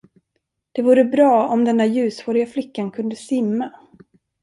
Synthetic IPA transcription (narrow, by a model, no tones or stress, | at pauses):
d̪̥ɛvuːɾəbɾɑːɔmd̪ɛndæɾjʉ̟ːshoːɾɪɡaflɪkːankʰɵnd̪əsɪmːa